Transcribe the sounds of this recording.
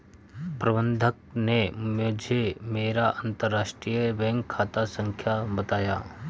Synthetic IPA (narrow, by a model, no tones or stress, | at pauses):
pɾɐbənd̪ʱək̚nemod͡ʒʱemeːɾaʔənt̪əɾːaːʃʈɾijəbɛ̃ŋkʰːaːt̪asə̃ŋkʰjabɐt̪aːjaː